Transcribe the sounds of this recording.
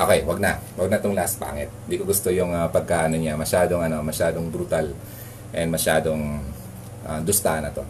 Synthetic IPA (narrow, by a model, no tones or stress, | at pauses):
ʔokɛjwɐɡ̚nɐwɐɡnɐʔt̪oŋlɐspa̰ːŋɛt̪̚ɪnd̪iːkoɡʊst̪ojʊŋɐpɐɡ̚kaːʔɐnoɲamɐʃaːd̪o̞ŋɐno̞mɐʃaːd̪o̞ŋbɾut̪al | ʔɛnmɐʃaːd̪o̞ŋ | ʔɐd̪ʊst̪aʔɐnɐt̪o̞